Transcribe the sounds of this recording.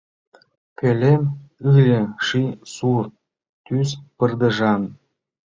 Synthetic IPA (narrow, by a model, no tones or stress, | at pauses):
kʲelʲemɯlʲĕʃisur | t̪yspərd̪ə̆ʒɑn